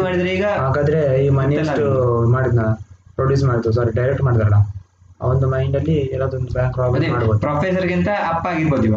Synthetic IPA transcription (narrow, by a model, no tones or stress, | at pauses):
maːɽid̪ɐɾuiːɡɐɦaːɡaːd̪ɐɾe̞iːmɐnjɐsʈumaːɽid̪nɐpɾoːɖjuːs̬maːɽid̪ːus̬aːɾiɖɐjɾek̚ʈmaːɽid̪aːɾɐɭɐ | a̰ond̪umɐjɳɖɐlːiɛlːaːd̪uond̪ubjaːŋkʋaːbɐd̪maːɖbod̪upːɾɐːpʰesɐɾɡint̪ɐɐpːaːɡiɾbod̪iʋɐ